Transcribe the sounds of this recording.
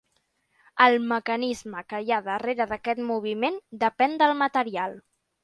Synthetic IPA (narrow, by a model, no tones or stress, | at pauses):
əlˠməkənizməkəjaðəreɾəðəkɛt̪muβ̞imend̪əpɛnd̪əlˠmət̪əɾialˠ